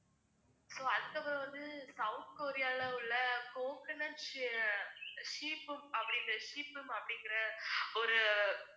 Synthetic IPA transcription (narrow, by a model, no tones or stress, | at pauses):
soːɐðɯkɐpɐɾʋɐnd̪ɯsɐʋʊnt̪koːɾɪjaːlɐɪɭːɐkoːkɐnɐnʂ | ʂiːpːɯmɐpːɐɽɪŋɡɐɾɐʂiːpːɯmɐpːɐɽɪŋɡɪɾɐɔɾɯ